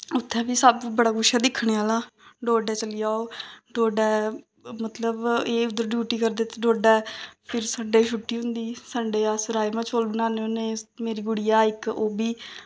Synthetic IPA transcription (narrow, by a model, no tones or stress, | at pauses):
ʊt̪ʰːɛ̃ːbiːsəbbəɽaːɡʊʃaːd̪ɪkʰːɳ̃eːaːlaːɖoːɖɛːt͡ʃəlɪjaːoːɖoːɖɛː | mət̪ləbeːʊd̪əɾɖjuːʈiːkəɾd̪eːt̪eɖoːɖɛːpʰɪɾsəɳɖeːʃʰʊʈːiːɦʊ̃nd̪iːsəɳɖeːasəɾaːemãːt͡ʃʰoːlbənaːneːoːneːmeːɾiːɡʊɽijaːɪkoːbiː